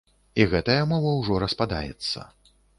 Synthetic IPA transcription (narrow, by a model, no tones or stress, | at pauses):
iɣɛt̪ɐjɐmɔvɐwʐɔɾɐspad̪a̰jɛ̰t̪sːɐ̰